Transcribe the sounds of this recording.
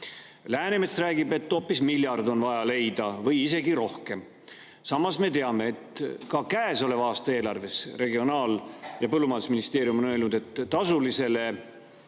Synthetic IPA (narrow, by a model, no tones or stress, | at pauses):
læːnemesræːɡibe̞t̪ːo̞ːpːismilʲjɑrd̪o̞nvɑjɑle̞jd̪̥ɑvɤjise̞ɡiɾo̞hke̞m | sɑmːɑsme̞t̪e̞ɑme̞ːt̪kɑkæeso̞le̞vɑːst̪ɑe̞ːlɑrve̞sre̞ɡio̞nɑːljɑpɤlːumɑnd̪usminist̪e̞ːɾjumo̞ne̞ːlnud̪̥e̞t̪ːɑsulise̞le̞